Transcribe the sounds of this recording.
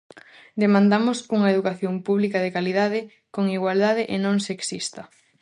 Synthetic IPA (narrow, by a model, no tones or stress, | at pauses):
d̪emãnd̪amʊsuŋɐeðukaθjompuβlikað̞ekaliðaðɪ | koŋiɣwald̪aðɪʔenõŋseksist̪ɐ